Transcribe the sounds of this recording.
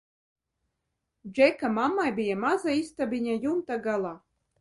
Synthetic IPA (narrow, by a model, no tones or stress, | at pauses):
d͡ʒekamamːajbʲijamazaist̪abʲinʲajumt̪aɡalˠa